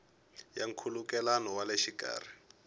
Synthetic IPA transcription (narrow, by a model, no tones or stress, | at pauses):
jaŋ̩kʰulukɛlanɔwaleʃika̰ːr̤i